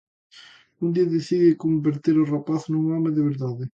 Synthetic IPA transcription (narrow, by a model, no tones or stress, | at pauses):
und̪iaðeθiðɪkombeɾt̪eɾorapaθnuŋameðeβeɾðaðɪ